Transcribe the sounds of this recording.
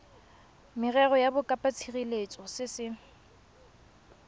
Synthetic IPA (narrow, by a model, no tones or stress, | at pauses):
mɪrɛrɔjabʊkʼapʼat͡sʰiɣilet͡sʼɔsɪsɪ